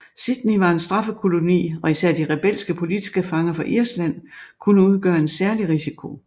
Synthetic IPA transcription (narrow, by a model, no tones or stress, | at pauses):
sid̥niʋɑ̈e̝nsd̥ʁɑ̈fəkʰo̝lo̝nḭːɒ̽isæɐ̰d̥iʁɛb̥el̰sɡ̥əpʰo̝lid̥isɡ̥əfɑ̈ŋɐfɒ̽ʔiɐ̰slæn̰kʰunəuð̞ˠɡ̥ɶːɐe̝dsæɐliʁisikʰo̝